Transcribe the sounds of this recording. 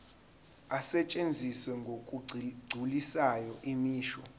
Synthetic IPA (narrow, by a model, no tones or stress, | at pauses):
asɛt͡ʃʼend͡zʱiswɛŋɡʱokʼuɡ͡ǀʱulisajɔʔimiːʃɔ̰